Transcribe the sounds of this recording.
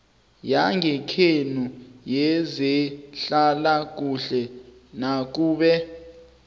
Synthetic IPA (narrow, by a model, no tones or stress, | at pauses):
jaŋʱɛkʰenujɛzɛɬalak̬uɬɛ | nak̬uːɓɛ